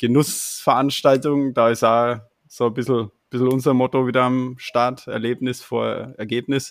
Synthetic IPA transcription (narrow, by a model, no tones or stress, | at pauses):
ɡ̥ənʊsfɛɐʔanʃtaltʊŋd̥aːɪsaː | z̥oːbɪsl̩b̥ɪsl̩ʊnzɐmɔtoviːdɐamʃtaɐtɛ̰ɐleːp̚nɪsfoːɐɛɐɡeːp̚nɪs